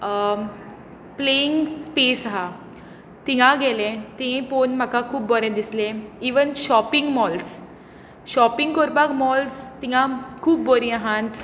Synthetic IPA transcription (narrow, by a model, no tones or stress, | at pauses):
pleiŋɡspesɦa | t̪iɦãɡelẽt̪ĩẽponm̤akakʰuːbbɔɾẽd̪islẽiʋənɕɔpiŋɡmɔls | ɕɔpiŋɡkɔɾpakmɔlst̪iɦãkʰuːbːoɾiaɦãnt̪